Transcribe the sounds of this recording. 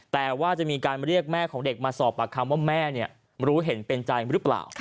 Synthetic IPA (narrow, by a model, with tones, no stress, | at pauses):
t̪ɛː˨˩waː˥˩t͡ɕa˨˩ʔmiː˧kaː˧nɾi˥˩ək̚mɛː˥˩kʰɔː˩˦ŋde˨˩k̚maː˧sɔː˨˩pːa˨˩kʰa˧mwaː˥˩mɛː˥˩ni˥˩ə | ɾuː˦˥ɦe˩˦npe˧nt͡ɕa˧jɾɯ˦˥pla̰ː˨˩w